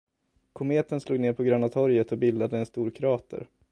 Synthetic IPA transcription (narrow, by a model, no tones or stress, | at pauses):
kʰʊmeːt̪ənsluːɡneːɾpʰɔɡɾœnːat̪ʰɔɾjət̪ɔbɪld̪ad̪əɛnst̪uːɾkʰɾɑːt̪ʰə̰ɾ